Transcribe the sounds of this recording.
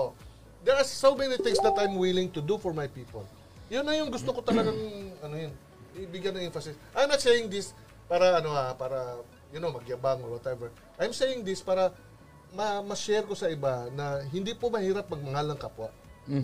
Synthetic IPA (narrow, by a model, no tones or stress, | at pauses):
ʔo | d̪ɛsːomɛniθɪ̃ŋsd̪ɐt̪ajmwɪlɪ̃ŋt̪ʊd̪ufɔɹmajpiːpol | jʊnːɐjʊŋɡʊst̪okot̪ɐlɐɡaŋɐnojon | iʔbɪɡjɐnɐŋʔɛɱfɐsɪsʔajmnɐt̪sejɪŋd̪ɪs | paːɾɐɐnoapaːɾɐ | jɐnomɐɡjɐbaŋoɹwɐt̪ɛvɛɹ | ʔajmsejɪŋd̪ɪspaːɾɐ | mɐmɐʃɛɾko̞sɐʔɪbanɐɦɪnd̪ipomɐhiːɾap̚mɐɡ̚mɐŋalɐŋkɐpoʔ